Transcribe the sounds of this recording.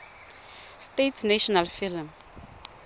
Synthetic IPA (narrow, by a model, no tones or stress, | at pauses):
stetʰnaʃɔnalfilm